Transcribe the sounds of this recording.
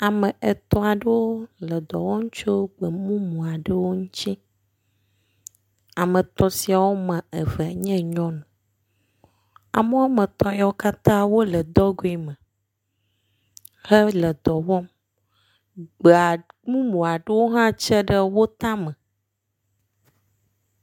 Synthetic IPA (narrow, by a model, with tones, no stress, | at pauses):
a˨mə̃˨e˨t̪ɔ˦a˨ɖə˦wo˦lə˨d̪ɔ˨wɔ̃˦ŋ̃˦t͡ʃo˦ɡ͡bə˨mũ˦mũ˨a˨ɖə˦wo˦ŋũ˦t͡ɕi˦ | a˨mə̃˨t̪ɔ˨si˨a˨wo˦mã˨e˨ve˨a˨ɲɛ̃˦ɲɔ̃˦nə̃˨ | a̰˨mə˦wa˦mə̃˨t̪ɔ˦ja˦wo˦ka˦t̪ã˦wo˦lə˨d̪ɔ˦ɡo˨˦i˨mə̃˨ | hə˦lə˨d̪ɔ˨wɔ˦m | ɡ͡be˨a˨mũ˦mũ˨a˨ɖə˦wo˦ɦã˦t͡ʃə˦ɖə˦wo˦t̪ã˦mə̃˨